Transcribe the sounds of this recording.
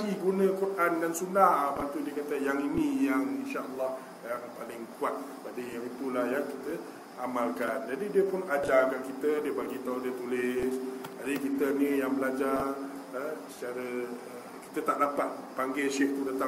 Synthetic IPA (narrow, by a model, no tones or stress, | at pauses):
iɡunə̃kɔrʔandansunahpat̪udiəkat̪əjaŋinĩjaŋinʃaʔəlˠːɑh | jaŋpalɪŋkuat̪̚padəjaŋit̪ulahjakit̪ə | amalkand͡ʒadidiəpʊnad͡ʒakaʔkit̪ədiəbaɡit̪audiət̪ulɪsd͡ʒadikit̪ənijaŋbəlad͡ʒar | sə̥t͡ʃaɾəə | ki̥t̪ət̪aʔdapat̪̚paŋɡasɪht̪udat̪a